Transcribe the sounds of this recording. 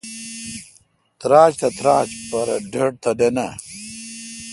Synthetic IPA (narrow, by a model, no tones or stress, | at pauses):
t̪ɾaːt͡ɕt̪ɐt̪ɾaːt͡ɕpɐɾɐ̰ɖʱɐɖ̚t̪ɐɖena